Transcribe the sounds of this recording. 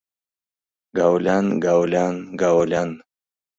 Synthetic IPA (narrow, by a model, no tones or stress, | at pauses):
ɡawlanɡawlanɡawlan